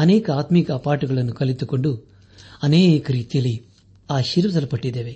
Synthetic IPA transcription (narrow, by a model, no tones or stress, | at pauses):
ɐnɛːkɐaːt̪mikɐːpaːʈuɡɐɭɐnːukɐlit̪uko̞ɳɖu | ɐnekɐɾiːt̪ijɐlːi | aːʃiɾʋɐd̪ɐlɐpɐʈːid̪ːeːʋe̞